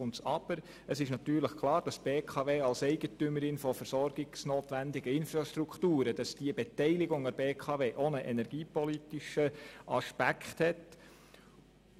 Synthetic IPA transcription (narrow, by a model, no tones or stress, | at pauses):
ʊnsɑb̥əɾ | əsɪʃnɑt̪yːɾləχkʰlˠɑːɾd̥ɑsb̥eːkʰɑːveːɑlsɛɪɡ̥ətʏməɾɪnfɔfəɾsɔɾɡɪɡsnoːt̪ʋændɪɡəɪnfɾɑʃtɾukχtuːɾəd̥ɑsd̥iəbɛtɛɪlɪɡʊŋɑbeːkʰɑːveːʔonəʔɛnɛɾɡ̥iːpɔlitiʃəɑʃpækχthɛt